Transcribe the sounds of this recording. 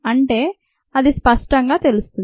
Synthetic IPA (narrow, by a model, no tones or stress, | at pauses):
ɐɳʈe̞ː | ɐd̪ispɐʂʈɐŋɡaːt̪e̞lust̪u